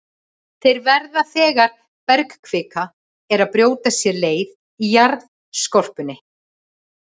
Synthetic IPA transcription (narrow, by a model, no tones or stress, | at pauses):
θejɾvɛɾðaθɛːɣaɾ̥ | pɛɾkkʰv̥ɪːka | ɛɾaðpɾjoːwt̪asjɛleːjð | ijaɾð | skɔr̥pʏnːɪ